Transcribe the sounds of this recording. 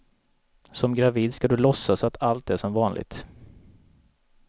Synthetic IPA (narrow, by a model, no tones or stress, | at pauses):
sɔmɡɾaviːd̪skad̪ɵlɔsːasɔat̪ʰalt̪̚ɛʂɔmvɑːnlʔɪ̰ɡ̚t̪